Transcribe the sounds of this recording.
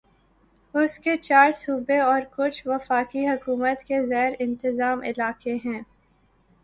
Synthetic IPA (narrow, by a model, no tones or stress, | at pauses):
ʊsket͡ʃaːɾsuːbeɔːɾkʊt͡ʃʰʋɐfaːkiɦɐkuːmət̪keɣɛːɾɪ̃nt̪ɪzaːmɪ̰laːkeɦɛ̃ː